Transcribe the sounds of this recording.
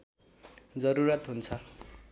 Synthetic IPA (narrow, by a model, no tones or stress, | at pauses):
d͡zʌɾuɾʌt̪ɦunt͡sʰʌ